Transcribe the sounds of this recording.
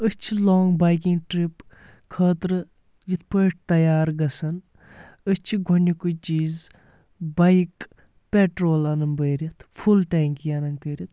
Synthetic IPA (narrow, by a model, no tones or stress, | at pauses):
əst͡ʃʰiloːŋɡbɐjk̬iŋɡʈɾip | kʰəːt̪ɾɨ | jit̪̚ʰpəːʈ̚ʰt̪ɐjaːɾɡɐsɐn | ət͡ʃʰiɡʱonʲikut͡ʃiːz | bɐjk | peʈɾoːlɐnɨmbəjɾʲit̪ʰfʰulʈaːŋkijɐnɐŋkəɾʲit̪̚ʰ